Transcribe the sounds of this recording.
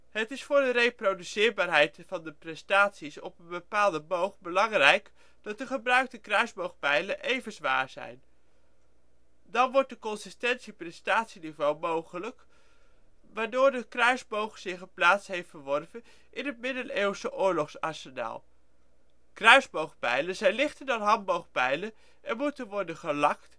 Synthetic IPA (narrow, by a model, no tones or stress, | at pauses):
ɦətɪsfʊːɹdərejprodysɪːɹbaːɹɦɛjtfɑndəprɛstaːtsisɔ̰pənbəpaːlˠdəmowχbəlɑŋrɛjk | d̥ɑt̚dəχəbrœɥk̚təkrœɥzbowχpɛjlənʔejvənzʋa̰ːɹz̥ɛ̰jn | dɑnʋɔɹt̚dəkɔnsɪstɛntsiprɛstaːtsinivowmowχələk | ʋaːɹdoːɹdəkrœɥzbowχsɪχəplaːtsɦejftfəɹʋɔrvən | ʔɪnɦət̚mɪdənewsəʔʊːɹlɔχsɑɹsənɛ̰ːlˠ | krœɥzbowχpɛ̰jlənzɛjnlɪχtəndɑnɦɑnbowχpɛjlə | ʔɛnmutənʋɔɹdənχəlɑkt